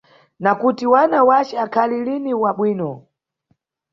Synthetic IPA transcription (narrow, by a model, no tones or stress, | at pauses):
nakutiwanawat͡ʃɛakʰaliliniwaɓwiːnɔ